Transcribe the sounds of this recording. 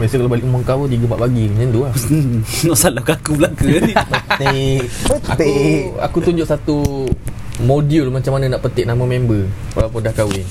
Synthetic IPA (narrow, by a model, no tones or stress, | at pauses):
məɾasəkalawbalɪʔumɔŋkawədiɡəmpaʔbaɡiɲənd̪ua | nɔʔsalakaakubəlakəniəak̪ea̰kut̪uɲd͡ʒʊʔsat̪u | modiulmat͡ʃamːanənaʔpət̪ɪʔ̚namə̃membə | wa̰lawpʊndahkawɪn